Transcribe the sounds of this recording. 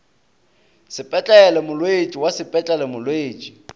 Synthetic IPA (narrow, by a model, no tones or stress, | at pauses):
sɪpʼɛt͡ɬʼɛɛlɛmʊlweet͡ʃʼiwasɪpʼɛt͡ɬʼɛlɛmʊlweːt͡ʃʼi